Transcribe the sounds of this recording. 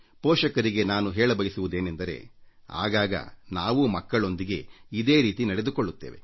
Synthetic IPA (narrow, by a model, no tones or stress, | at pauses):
pɔːʃɐkɐɾiɡe̞naːnuɦeːɭɐbɐjisuʋud̪eːnend̪ɐɾe̞̰ | a̰ːɡaːɡɐ̰naːʋumɐkːɐɭo̞nd̪iɡe̞id̪e̞ːɾiːt̪inɐɽe̞d̪ukoɭːut̪ːeːʋḛ